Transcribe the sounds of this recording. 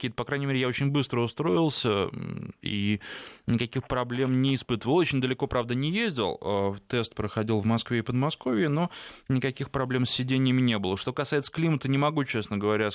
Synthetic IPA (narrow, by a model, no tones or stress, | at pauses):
kʲiːət̪əpɐkɾajnʲɪmʲeɾʲɪjao̞t͡ɕɪnʲbɨst̪ɾəʊst̪ɾo̞ɪlˠsʲə | ḭnʲɪkɐkʲixpɾɐblʲe̞mnʲɪːspɨt̪əvəlˠot͡ɕɪnʲd̪əlʲɪko̞pɾavd̪ənʲɪjezʲdʲɪ̰lˠət̪ɛst̪̚pɾəxɐdʲilˠvmɐskvʲeɪpəd̪mɐsko̞vʲɪɪno̞nʲɪkɐkʲixpɾɐblʲe̞msʲːɪdʲenʲɪjɪmʲɪnʲe̞bəɨlˠəʂt̪o̞kɐsajɪt̪sə̥klʲimət̪ənʲɪmɐɡut͡ɕesnəɡəvɐɾʲa